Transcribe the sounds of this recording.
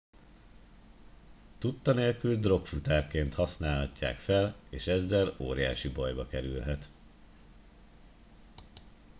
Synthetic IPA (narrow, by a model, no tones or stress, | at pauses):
t̪ut̪ːɒneːlkyld̪ro̞kfut̪aːrkeːnt̪hɒsnaːlhɒcːa̰ːkfɛleːʃɛzːɛlo̰ːɾija̰ːʃibɒjbɒkɛɾylɦɛt̪